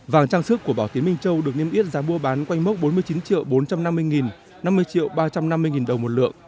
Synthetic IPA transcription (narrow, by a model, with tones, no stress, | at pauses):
vaː˨˩ŋt͡ɕaː˧ŋsɨ˦˥kːu˧˩əɓaː˧˩wt̪i˨˦əmï˧ŋ̟t͡ɕə˧wɗɨ˨˩ək̚ne˧mʔi˦˥t̚zaː˨˦ɓu˧əɓaː˨˦nkwa˧jŋ̟mo˦˥t̚ɓo˨˦mɨ˧əjt͡ɕi˨˦nt͡ɕḭ˧˨əwɓo˨˦nt͡ɕa˧mna˧mːɨ˧əjŋi˨˩n | na˧mːɨ˧əjt͡ɕḭ˧˨əwɓaː˧t͡ɕa˧mna˧mːɨ˧əjŋi˨˩nɗə˨˩wmo˨˩t̚lɨ̰˧˨əŋ